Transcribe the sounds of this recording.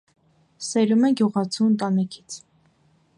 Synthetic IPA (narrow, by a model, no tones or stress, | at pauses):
sɛɾumɛɡjuʁɑt͡sʰunt̪ɑnɛkʰi̥t͡sʰ